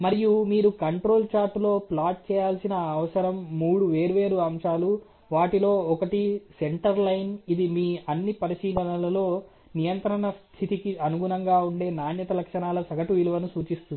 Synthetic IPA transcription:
mɐɾijumiːɾukɐɳʈɾo̞ːlt͡ʃaːɾʈlo̞ːplaːʈ̚t͡ʃɛːjaːlsinɐːʋɐsɐɾɐmːuːɽuʋe̞ːɾuʋe̞ːɾuɐmʂaːlu | ʋaːʈilo̞ːɔkɐʈise̞ɳʈɐɾlɐjnid̪imiːɐnːipɐɾiʃiːlɐɳɐlɐlo̞ː | nijɐnt̪ɾɐɳɐst̪ʰit̪ikiɐnuɡunɐŋɡaːuɳɖe̞ːnaːnjɐt̪ɐlɐkʂɐnaːlɐsɐɡɐʈuʋiluʋɐnusuːt͡ʃist̪und̪i

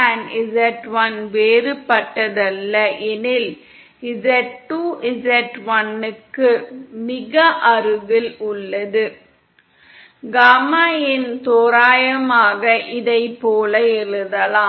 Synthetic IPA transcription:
aːnɪzɐʈʋɐnʋeːɾɯpːɐʈːɐðɐlːɐʔɛnɪl | ɪzɐʈːuːɪzɐʈʋɐnːɯkːɯmɪɣɐʔɐɾɯɣɪlʊɭːɐðɯ | ɡaːmaːjɪnt̪oːɾaːjɐmaːɣɐʔɪðɐɪpːoːlɐɛɾɯðɐlaː

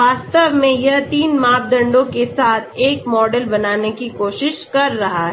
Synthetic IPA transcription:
aːst̪əʋmẽjɐɦt̪iːnmaːb̚d̪ɐ̃ɳɖõkesaːt̪ʰeːkmɔːɖəlbɐnaːnekikoːʃɪʃkɐɾːɐɦaɦɛ

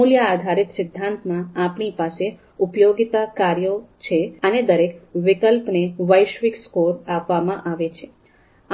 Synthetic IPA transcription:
oljaːd̪ʱaɾit̪sɪd̪ʱːãnt̪mãapɳipase | upjoɡit̪akaɾjot͡ʃʰeəned̪əɾekʋɪkəlpneʋəjʃʋikskoɾapʋamãʔaʋet͡ʃʰe̥

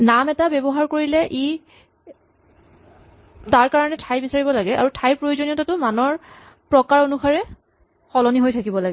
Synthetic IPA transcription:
namɛtabɛbɔɦaɹkoɹilɛʔi | taɹkaɹɔnɛtʰajbisaɹibɔlaɡɛʔa̰ɹutʰajpɹojozoniɔtatʊmanɔɹ | pɹɔkaɹonuxaɹɛ | xɔlɔniɦojtʰakibɔlaɡɛ

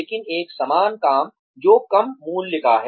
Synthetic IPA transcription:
eːkɪneːksɐmaːnkaːm | d͡ʒoːkɐmːuːnlɪkʰaɦɛ

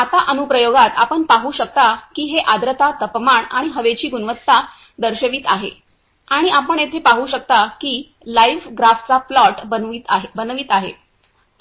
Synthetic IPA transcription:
at̪aʔənupɾəjoɡat̪apəɳpaɦuːɕək̚t̪akiːɦeʔad̪ɾət̪ʰat̪əpmaɳaɽ̃iɦəʋet͡ɕiːɡunʋət̪ːa | d̪əɾɕəʋiːt̪aɦḛ | aɽ̃iʔapəɳet̪ʰepaɦuːɕək̚t̪akiː | laiʋɡɾaft͡saplɔʈəit̪ɦebənʋiːt̪aɦḛ

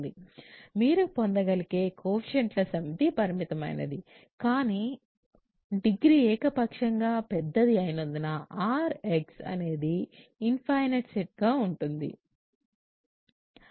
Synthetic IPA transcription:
d̪imiːɾupond̪ɐɡɐlike̞ːkʰoːpʃeɳʈlɐsɐmit̪ipɐɾimit̪ɐmɐ̰jnɐ̰d̪i | kaːni | ɖiɡɾiɛːkɐpɐkʂɐŋɡaːpɛd̪ːɐd̪iɐjnund̪inɐʔaːɾeksɐ̰ne̞ːd̪iːnpʰɐjneʈseʈ̚ɡaːuɳʈund̪ḭ

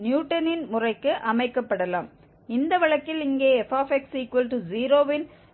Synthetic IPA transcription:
njuːʈːɐnɪnmʊrɐɪkːɯʔɐmɐɪkːɐpːɐɽɐla̰ːm | ɪnd̪ɐʋɐɭɐkːɪlɪŋɡeːɛfaːfɛksiːkʋɐlʈuziːɾoːʋɪn

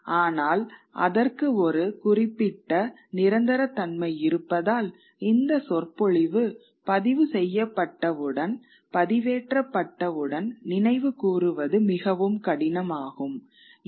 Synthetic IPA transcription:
aːnaːlʔɐ̰ðɐrkɯɔɾɯkʊrɪpːɪʈːɐ | nɪɾɐnd̪ɐɾɐt̪ːɐɳmɐɪɪɾɯpːɐðaːl | ɪnd̪ɐsɔrpɔɻɪʋɯ | pɐðɪʋɯsɛjːɐpːɐʈːɐʋɯɽɐn | pɐðɪʋeːʈrɐpːɐʈːɐʋɯɽɐnnɪnɐɪʋɯkuːrɯʋɐðɯmɪɣɐʋɯmkɐɽɪnɐmaːɣɯm

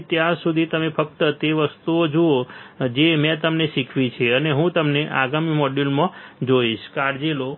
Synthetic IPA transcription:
t̪jaɾsud̪ʱit̪əmefək̚t̪ət̪eʋəst̪uod͡ʒood͡ʒemɛ̃t̪əmneʃikʰʋit͡ʃʰeəneɦũt̪əmneʔa̰ɡamimɔɖilmãd͡ʒoiʃkaɾd͡ʒilo

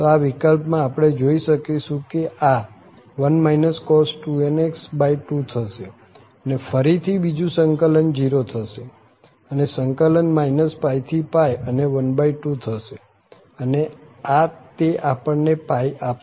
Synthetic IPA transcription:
t̪oaʋikəlpmãːpəɽ̃ed͡ʒoiʃəkiʃũkeʔa | ʋənmainəskɔsʈueneksbaiʈut̪ʰəʃe | ənefəɾit̪ʰibid͡ʒũsəŋkələnd͡ʒiɾot̪ʰəʃe | ənesəŋkələnmainəspait̪ʰipajəneʋənbaiʈut̪ʰəʃe | əneat̪eʔapəɳnepaja

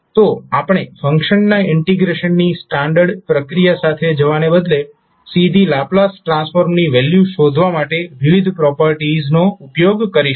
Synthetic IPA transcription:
t̪oapɽ̃efə̃ŋkʃənːaɪɳʈiɡɾeʃənːisʈaɳɖəɾɖpɾəkɾijasat̪ʰed͡ʒəʋanebəd̪le | sid̪ʱilaplasʈɾãnsfʰoɾmniʋɛljuʃod̪ʱʋamaʈeʋiʋid̪ʱpɾɔpəɾʈiznoupjoɡkəɾiʃ

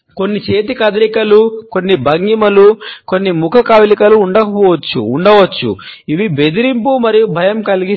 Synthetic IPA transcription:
ko̞nːit͡ʃe̞ːt̪ikɐd̪ɐɾikɐluko̞nːibʱɐŋɡimɐluko̞nːimukʰɐkaːʋilikɐluːɳɖɐkɐpɔːʋɐt͡ʃːṵːɳɖɐʋɐt͡ʃːṵiʋibe̞d̪iɾimpumɐɾijubʱɐjɐmkɐliɡi

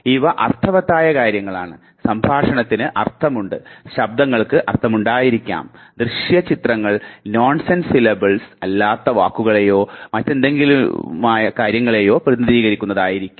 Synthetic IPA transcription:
iʋɐʔɐrt̪ʰɐʋɐt̪ːaːjɐkaːɾjɐŋːɐɭaːɳɨ | sɐmbʱaːʂɐɳɐt̪ːinɨʔɐrt̪ʰɐmuɳɖɨɕɐb̚d̪ɐŋːɐɭkɨʔɐrt̪ʰɐmuɳɖaːjiɾikʲːa̰ːmd̪rɨʂjɐt͡ɕit̪rɐŋːɐɭnoːɳsensilebɐɭsɐlːaːt̪ːɐʋaːkːuɣɐɭejo̞ːmɐtːe̞nd̪e̞ŋɡilumaːjɐkaːɾjɐŋːɐɭejo̞ːprɐðnɐðiːɣɐɾikʲːunːɐðaːjiɾikʲːu̥m

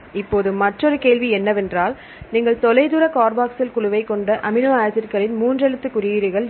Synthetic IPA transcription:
ɪpːoːðɯmːɐʈrɔɾɯkeːɭʋiɛnːɐʋɛndraːl | niːŋɡɐɭt̪ɔlɐɪðʊɾɐkaːɾbaːksɪlkʊɭʊʋɐɪkːɔɳɖɐʔɐmɪnoːaːjɐsɪɾkɐɭɪnmuːndrɛɻɯt̪ːɯkːʊɾɪjiːɾɯɣɐɭ

